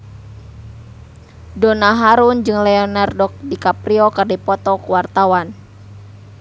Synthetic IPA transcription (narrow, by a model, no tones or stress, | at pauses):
dɔnaɦaɾund͡ʒɨŋlɛɔnardɔk̚dikapɾiɔkardipɔt̪ɔkuwart̪awan